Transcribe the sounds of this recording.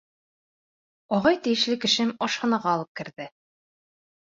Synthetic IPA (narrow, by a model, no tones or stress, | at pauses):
ɒʁɑjt̪ɘ̆jɘ̆ʃlɘkɘ̆ʃɘmɒʃhɑ̆nɑʁɑɒlˠɤp̚kɘ̆ɾðɘ